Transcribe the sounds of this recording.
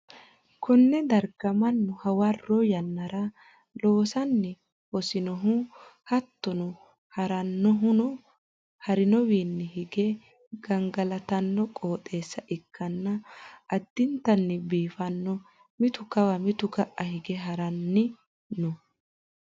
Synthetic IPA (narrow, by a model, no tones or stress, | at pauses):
kʰɔnːɛd̪ɐɾɡ̥ɐmɐnːɔhɐwɐrːɔjɐnːɐɾɐ | lo̞ːsɐnːɪ | wɔsɪnɔɦʊhɐt̪ːɔnɔ | hɐɾɐnːɔɦʊnɔ | hɐɾɪnɔwiːnːɛhɪɡɛ | ɡ̥ɐŋɡɐlɐt̪ɐnːɔkʼoːt̪ʼe̞ːsːɐʔɪkʰːɐnːɐʔɐd̪ːɪnt̪ːɐnːɪbiːfɐnːɔ | mɪt̪ʊkɐwɐmɪt̪ʊɡɐʔːɐhɪɡɛɦɐɾɐnːɪ | nɔ